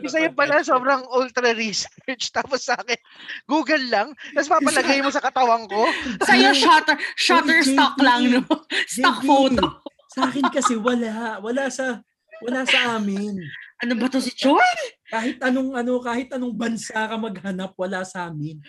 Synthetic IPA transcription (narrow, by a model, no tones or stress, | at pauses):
ɪsɐjɐpɐlasoːbɾɐŋʔolt̪ɾɐɾisɛɹt͡ʃt̪aːposʔaːkɛnɡuːɡɐlːɐŋt̪ɐspaɐlɐɡajmosɐkɐt̪ɐwɐŋko̞sɐjoʃat̪ɛʃat̪ɛɹst̪klɐŋnosɛok̚fowto | sɐʔaːkɪnkɐsɛwɐlawɐlasɐ | wɐlasɐʔaːmɪnʔɐnobɐt̪osɪt͡ʃokaːhɪt̪̚ʔɐnoŋɐno̞kaːhɪt̪ʔɐno̞ŋbɐnsakɐmɐɡ̚hɐnɐp̚wɐlasɐʔaːmɪn